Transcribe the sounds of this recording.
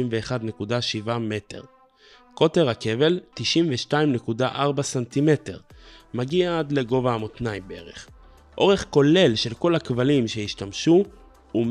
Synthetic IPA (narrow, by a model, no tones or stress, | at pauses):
imveːχad̪ne̞kudaʃivame̞te̞̰ʁ | ko̞te̞ʁhake̞ve̞ltiʃimveʃtaimne̞kudaʔaʁbasantime̞te̞̰ʁmaɡiaad̪le̞ɡo̞vaːmot̪naimbee̞̰ʁḛχ | ʔo̞ʁe̞χko̞le̞lʃe̞lko̞lhakvalimʃe̞iʃtamʃu | um